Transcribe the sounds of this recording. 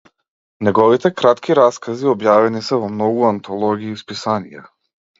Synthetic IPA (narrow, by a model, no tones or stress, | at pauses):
nɛɡɔvit̪ɛkɾat̪kʰiɾaskaziɔbjavɛnisɛvɔmnɔɡuant̪ʰɔlˠɔɡiːspisanija